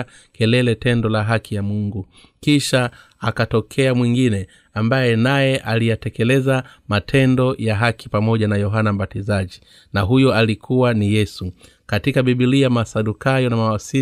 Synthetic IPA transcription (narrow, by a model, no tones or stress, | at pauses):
kɛlɛlɛtɛndɔlaɦakʰijamuŋɡu | kiʃa | akatɔkʰɛamwiŋɡinɛ | ambajɛnajɛʔalijatɛkɛlɛzamatʰɛndɔjaɦakʰipamɔʄanajɔɦanam̩ɓatizaʄi | naɦujɔalikʰuwanijɛsu | katikaɓiɓiliamasaɗukajɔnamawasi